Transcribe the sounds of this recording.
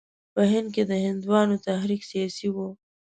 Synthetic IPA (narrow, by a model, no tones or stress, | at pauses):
pəɦɪnd̪̚ked̪əhɪnd̪wɑnot̪ahɾiksijɑsiwo